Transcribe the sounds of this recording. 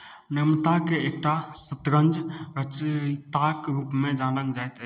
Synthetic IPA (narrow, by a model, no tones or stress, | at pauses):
nemt̪akeːk̚ʈasət̪ɾə̃nd͡ʒɾət͡ʃt̪akɾuːpmẽd͡ʒãləŋɡd͡ʒajt̪